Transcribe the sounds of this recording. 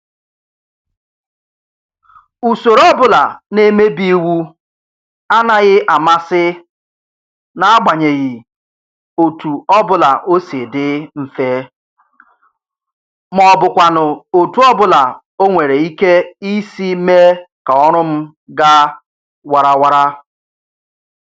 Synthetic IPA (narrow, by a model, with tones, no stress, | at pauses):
u˨so˨ɾɔ˦bʊ˦la̰˨ne˦me˦bi˦wu˦ | a˦na˨ɣɪ˦ʔa˨ma˦sɪ˦ | na˨a˦ɡ͡ba˨ɲe˨ɣɪ˨ | o˨tu˨ɔ˦bʊ˦la˨ʔo˦se˨dɪ˦m̩˦fe˦ | mɔ˨bʊ˨kʷa˨nʊ˨o˨tu˨ɔ˦bʊ˦la˨ | o˦ŋʷe˨ɾe˨i˦ke˦i˦si˦me˦ka˨ɔ˦ɾʊ˦m̩˦ | ɡa˦ | wa˨ɾa˦wa˦ɾa˦